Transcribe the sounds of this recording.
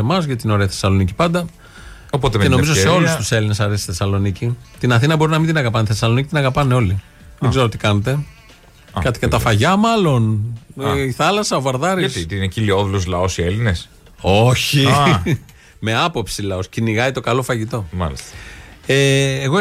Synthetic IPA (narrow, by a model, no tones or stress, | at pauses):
emɐzʝɐt̪ino̞ɾe̞ɐθesɐlo̞nici̥pɐnd̪ɐ | opot̪emenoizose̞o̞lusst̪use̞line̞sɐɾest̪θesɐlo̞nicit̪inɐθinɐbo̞ɾinɐmind̪inɐɣɐpɐneθesɐlo̞nicit̪inɐɣɐpɐne̞o̞li | ðeɡzeɾot̪ikɐnet̪e̞ | kɐt̪i̥kɐt̪ɐfɐʝɐmɐlo̞n | iθɐlɐsɐovɐɾðɐɾist̪inecilioðulozlɐo̞sielines | oçi | me̞ɐpo̞psilɐo̞sciniɣɐit̪o̞kɐlo̞fɐʝit̪o̞mɐ̰list̪ɐeːɣo